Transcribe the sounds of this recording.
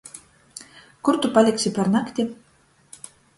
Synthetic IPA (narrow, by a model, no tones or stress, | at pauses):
kuɾt̪upalʲiksʲipaɾnakt̪ʲi